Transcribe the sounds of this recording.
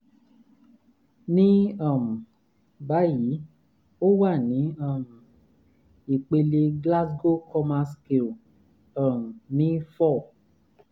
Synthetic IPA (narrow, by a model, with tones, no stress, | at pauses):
nĩ˦ã˦˨mũ˨ | ba˨˦ji˨˦ | o˦wa˦˨nĩ˨˦a˦˨mũ˨ | i˨k͡pe˧le˧ɡla˦s̬ɡo˦kʰɔ˧mã˧ske˨l | ã˨mũ˨nĩ˨˦fɔ˦˨